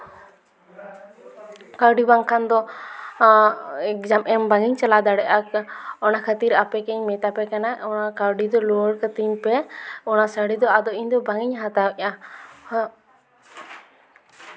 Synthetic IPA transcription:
kaɾɖibaŋkʰand̪ɔ | ɛk̚d̪amʔɛmbaŋiɲt͡ʃalad̪aɽɛʔakɔnakʰət̪iɾapɛkɛɲmɛt̪apɛkanaɔnakaɾɖid̪ɔlɔɽkət̪iɲpɛɔnasəɽid̪ɔad̪ɔiɲd̪ɔbaŋiɲɦat̪awɛʔa

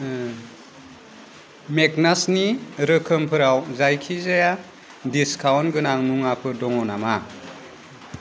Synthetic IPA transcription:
meknasniɾɯkʰɯmpʰɯɾawzajkʰizaja | diskʰawnɡɯnaŋnuŋapʰɯdɔŋɔnama

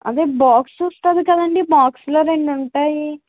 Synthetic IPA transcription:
ɐ̰d̪eːbaːksust̪ɐd̪ikɐd̪ɐɳɖibaːksloːɾeɳɖuɳʈaːji

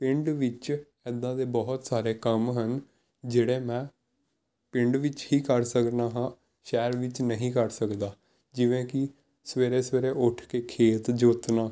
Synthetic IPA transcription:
pɪ̃ɳɖʋɪt͡ʃ | ɛd̪ãːd̪eːbɔɦt̪saːɾeːkəmɦən | d͡ʒeːɽeːmɛ̃ː | pɪɳɖʋɪt͡ʃhiːkəɾsəknaːɦãː | ʃɛːɾʋɪt͡ʃnəɦĩːkəɾsəkd̪aː | d͡ʒɪʋẽːkɪ | səʋeːɾeːsʋeːɾeːʔʊʈʰkeːkʰeːt̪d͡ʒoːt̪naː

